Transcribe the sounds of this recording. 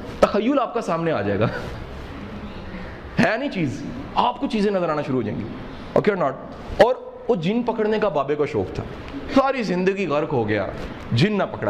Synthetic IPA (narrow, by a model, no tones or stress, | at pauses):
t̪ɐxəjːʊlaːp̚kasaːmneaːd͡ʒa̰ːḛːɡaː | ɦɛːnɐĩt͡ʃiːz | aːpkot͡ʃiːzẽnɐzəɾaːnaʃʊɾuɦoːd͡ʒã̰ḛ̃ːŋɡiː | o̰ːkeɔːnɔːʈ̚ | ɔːɾ | ʊd͡ʒɪnpɐkəɽnekabaːbekaʃɔ̰ːkt̪ʰa̰ː | saːɾizɪ̃nd̪əɡiɣɐɾkɦoɡɐja̰ː | d͡ʒɪnːapɐkɽa̰ː